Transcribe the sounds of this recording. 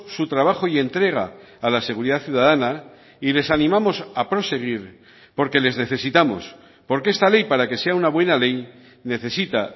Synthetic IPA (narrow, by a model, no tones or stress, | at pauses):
sut̪ɾaβaxoie̞nt̪ɾe̞ɣ̞a̰ː | laseɣ̞uɾiðaθjuð̞aðana | ile̞sanĩmamo̞sapɾo̞se̞ɣ̞iɾ | po̞ɾke̞le̞zne̞θe̞sit̪amo̞̰s | po̞ɾkee̞st̪ale̞jpaɾake̞se̞aunaβwe̞nale̞j | ne̞θe̞sit̪a